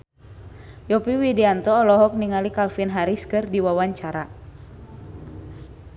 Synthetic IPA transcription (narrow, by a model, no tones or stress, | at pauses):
jɔpiwidiant̪ɔːlɔɦɔk̚niŋalikalfinɦaɾiskɨrdiwawaɲt͡ʃaɾa